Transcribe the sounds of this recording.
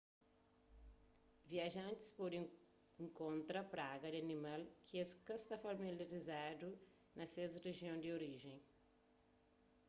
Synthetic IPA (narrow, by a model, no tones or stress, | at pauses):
viɐʒɐ̃nt̪ɪ̥spoɾĩ | ŋkõnt̪ɾɐpɾaɡɐd̪ɪɐnimalkʰɪeskɐst̪afɐmilaɾizad̪u | nɐsezreʒiõd̪ɪoɾiʒẽj̃